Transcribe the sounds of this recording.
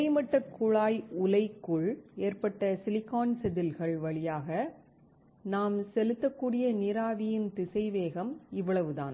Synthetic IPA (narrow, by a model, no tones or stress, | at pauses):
ɐɪmɐʈːɐkːʊɻaːjʊlɐɪkːʊɭeːrpɐʈːɐsɪlɪkːaːnsɛðɪlɣɐɭʋɐɭɪjaːɣɐ | naːmsɛlɯt̪ːɐkːuːɽɪjɐnɪɾaːʋɪjɪnt̪ɪsɐɪʋeːɣɐmɪʋːɐɭɐʋɯða̰ːn